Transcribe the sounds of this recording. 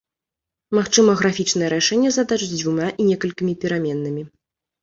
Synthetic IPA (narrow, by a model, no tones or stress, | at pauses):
maxt͡ʂɨmɐɣɾafʲit͡ʂnɐjɛɾaʂɛnʲːɛzad̪at͡ʂɨt͡sʲd͡zʲvumaʔinʲɛkɐlʲkʲimʲipʲɛɾamʲɛnːɨmʲi